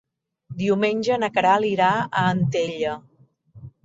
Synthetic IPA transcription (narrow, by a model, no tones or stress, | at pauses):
d̪iumenʲʒənəkəɾaliɾaəːnt̪eʎə